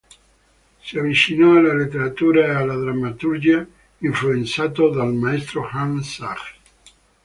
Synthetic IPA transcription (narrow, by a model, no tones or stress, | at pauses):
siavːit͡ʃinɔalalet̪ːeɾat̪uːɾaealːad̪ɾamːat̪uɾd͡ʒia | iɱfluent̪saːt̪od̪almaɛst̪ɾoxansak